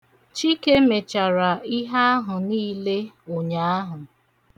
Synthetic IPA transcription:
t͡ʃi˦ke˦me˨t͡ʃa˨ɾa˨i˦ɦa˦a˦ɦʊ˨niː˦le˦ | o˨ɲa˨a˦ɦʊ˨

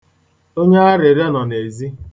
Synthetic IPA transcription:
o˦ɲe˦a˦ɾe˨ɾe˦nɔ˨ne˨zi˦

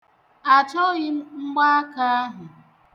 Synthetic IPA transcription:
a˨t͡ʃɔ˦ɣɪ˦ŋ͡m̩˦ɡ͡ba˦a˦ka˦a˦ɦʊ˨

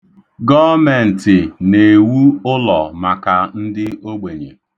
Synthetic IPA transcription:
ɡɔ˦me˨n̩˨tɪ˨ne˨wu˦ʊ˦lɔ˨ma˨ka˨n̩˦dɪ˦o˦ɡ͡be˨ɲḛ˨

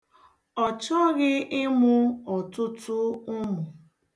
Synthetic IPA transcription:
ɔ˨t͡ʃɔ˦ɣɪ˦ɪ˦mʊ˦ɔ˨tʊ˦tʊ˦ʊ˦mʊ˨

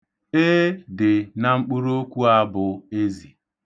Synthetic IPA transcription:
e˦dɪ˨na˨ŋ͡m̩˦k͡pu˦ɾo˦kʷu˦a˦bʊ˨e˦zi˨

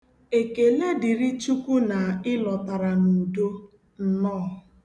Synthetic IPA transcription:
e˨ke˨le˦dɪ˨ɾi˦t͡ʃu˦ku˦na˨ɪ˦lɔ˨ta˨ɾa˨nu˨do˦ | n̩˨nɔː˦˨

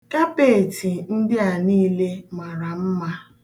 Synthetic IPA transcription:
ka˦pe˦˨ti˨n̩˦dɪ˦a˨niː˦le˦ma˨ɾa˨m̩˦ma˦

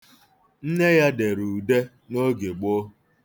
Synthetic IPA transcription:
n̩˦ne˦ja˦de˨ɾu˨de˦ | no˦ɡe˨ɡ͡bo˦

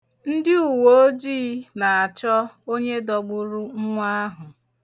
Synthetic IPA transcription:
n̩˦dɪ˦u˨wo˦o˦d͡ʒiː˦na˨a˨t͡ʃɔ˦ | o˦ɲe˦dɔ˨ɡ͡bʊ˦ɾʊ˦ŋ̩˦ŋʷa˦a˦ɦʊ˨

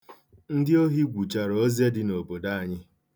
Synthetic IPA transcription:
n̩˦dɪ˦o˦ɦi˦ɡʷu˨t͡ʃa˨ɾɔ˨o˦zje˦dɪ˦no˨bo˨da˦a˨ɲɪ˦

